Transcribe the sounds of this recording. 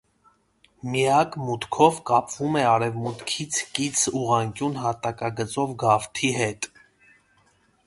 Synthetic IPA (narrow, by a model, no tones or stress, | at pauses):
miɑkmut̪kʰɔvkɑpv̥umɛɑɾɛvmut̪kʰit͡sʰkit͡sʰuʁɑŋkjunɦɑt̪ɑkɑɡət͡sɔvɡɑft̪ʰiɦɛt̪